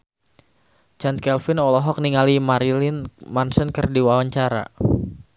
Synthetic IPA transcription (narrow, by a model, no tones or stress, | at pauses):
t͡ʃan̚kɛlfɪnɔlɔɦɔk̚niŋalimaɾilɪnmansənkərdiwawaɲt͡ʃaɾa̰